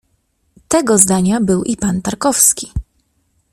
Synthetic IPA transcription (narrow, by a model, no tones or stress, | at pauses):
t̪ɛɡɔzd̪aɲabɘwʔipant̪aɾkɔfskʲi